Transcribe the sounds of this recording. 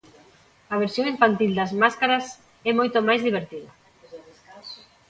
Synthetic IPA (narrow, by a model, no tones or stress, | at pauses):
ɐβeɾsjoŋiɱfant̪ild̪ɐzmaskaɾɐs | ɛmojt̪omajzðiβ̞eɾt̪iðɐ